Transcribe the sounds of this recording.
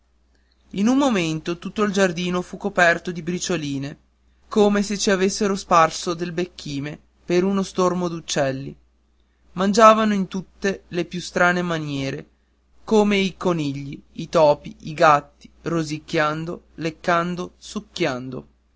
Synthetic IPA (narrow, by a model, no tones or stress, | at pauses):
inumːoment̪ot̪ut̪ːoild͡ʒard̪iːnofukːopɛrt̪od̪ibɾit͡ʃoliːne | koːmeset͡ʃiavesːeɾosparsod̪elbekːiːme | peɾunost̪ormod̪ut͡ʃːɛlːḭ | mand͡ʒaːvanoint̪ut̪ːelepjust̪ɾaːnemanjɛːɾe | koːmeikoniʎːiːt̪ɔːpiiɡat̪ːi̥rozikːjand̪o | lekːand̪osukːjand̪o̰